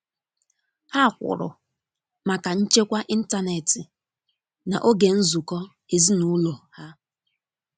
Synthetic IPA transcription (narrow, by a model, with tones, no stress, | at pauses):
ha˦˨kʷʊ̰˨ɾʊ̰˨ | ma˨ka˨n̩˦t͡ʃe˦kʷa˦ʔi˦n̩˦ta˦ne˨tɪ˨ | na̰˨ʔo˦ɡe˨n̩˦zu˨kɔ˦ | ɪ˨zi˦nu˦lo˨ha˦